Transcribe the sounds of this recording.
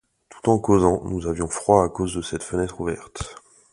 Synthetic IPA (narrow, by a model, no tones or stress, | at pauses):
t̪ʰu̥t̪ɑ̃kozɑ̃nuzavjɔ̃fχwaːkozd̪əsɛt̪fənɛt̪χuvɛʁt̪